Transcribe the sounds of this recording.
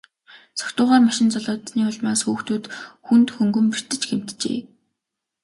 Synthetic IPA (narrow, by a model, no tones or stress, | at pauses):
sɔ̥kt̪ʊːʁaːrmaʃɪ̆nt͡sɔɮɔːt̪niːʊɮmaːsxuːxt̪ʰuːt̪xunt̪xɵŋɡɵ̆mpir̥t̪ɘ̆t͡ɕɡem̥t̪t͡ɕḛː